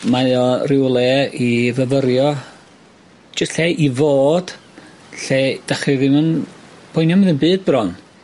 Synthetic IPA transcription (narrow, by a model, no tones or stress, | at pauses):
maɨɔrɪwlˠɛivəvəɾjɔ | d͡ʒəɬɛʔivoːd̥ | ɬed̥aχiðɪmənb̥ʰɔjnjɔməðənbɨːd̚brɔn